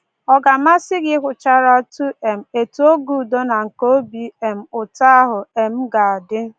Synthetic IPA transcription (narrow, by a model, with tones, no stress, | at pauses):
ɔ˨ɡa˨ma˦sɪ˦ɡɪ˦kʷʊ˨t͡ʃa˦ɾa˦tu˦e˨m̩˨e˨tu˨˦o˦ɡu˨do˦na˨ŋ̩˨ko˦o˦bi˦e˨m̩˨ʊ˨ta˦a˦ɦʊ˨e˨m̩˦ɡa˨a˨dɪ˦n˦